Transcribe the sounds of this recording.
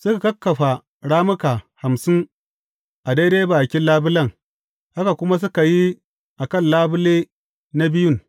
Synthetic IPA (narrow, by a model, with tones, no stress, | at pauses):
sʊ˦ka˨kɐ˦kːɐ˨ɸa˨ | ɽaː˦mʊ˦kaː˨ha˨msɪ˦ŋ | ʔa˨de˦deː˦baː˨kʲɪ˦nlːaː˦bʊ˦lɐ˦˨ŋ | ʔa˦ka˨kʷʊ˦ma˦s̬ʊ˦ka˨ji˦ | ʔa˨kɐ˦˨nlaː˦bʊ˦leː˦ | na˦bɪ˦jʊ˦˨ŋ